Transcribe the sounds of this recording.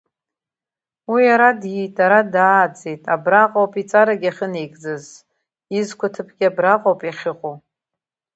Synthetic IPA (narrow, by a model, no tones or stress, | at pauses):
wijaɾadjitʼaɾadaːd͡zejtʼabraqʼowpʼit͡sʼaɾaɡʲaχʲəne̞jɡʼd͡zɨz | izkʷʰatʰɨpʰɡʲabraqʼowpʼjaχʲɪqʼo